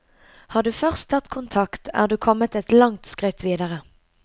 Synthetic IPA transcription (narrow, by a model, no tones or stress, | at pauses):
hɑːd̪ʉːfœʁst̪ʰɑt̪kʰʊnt̪ʰɑkt̪ʰæ̰ːʁd̪ʉːkʰɔmət̪ɛt̪lɑŋt̪skʁɪt̪ʰʋiːd̪əʁə